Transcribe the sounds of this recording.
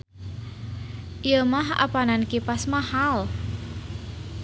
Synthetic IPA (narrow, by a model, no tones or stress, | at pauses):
ʔjəmaha̰panankipasmahal